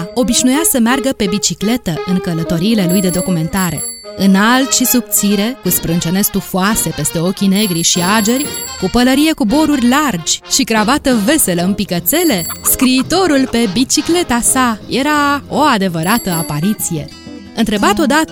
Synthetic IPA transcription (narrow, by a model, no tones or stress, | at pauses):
o̞biʃnujasəmearɡəpe̞bit͡ʃikle̞t̪əɨŋkələt̪o̞ɾiːle̞lujd̪e̞d̪o̞kume̞nt̪aɾe̞̰ | ɨnalt̪ʃisub̚t̪siɾe̞kuspɾɨnt͡ʃe̞ne̞st̪ufuase̞pe̞st̪e̞o̞kʲine̞ɡɾiʃiad͡ʒe̞rʲkupələɾije̞kubo̞ɾurʲlard͡ʒʲʃiɡɾavat̪əve̞se̞ləɨnpikət̪se̞le̞skɾiːt̪o̞ɾulpe̞bit͡ʃikle̞t̪asaje̞ɾao̞ad̪e̞vəɾat̪əapaɾit̪sije̞̰ | ɨnt̪ɾe̞bat̪o̞d̪at̪